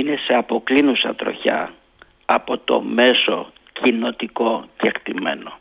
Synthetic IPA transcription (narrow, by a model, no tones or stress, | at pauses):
ine̞se̞ɐpo̞klinusɐ̰t̪ɾo̞̰çɐ̰ | ɐpo̞t̪o̞̰me̞so̞ | cino̞t̪iko̞cekt̪ime̞̰no̞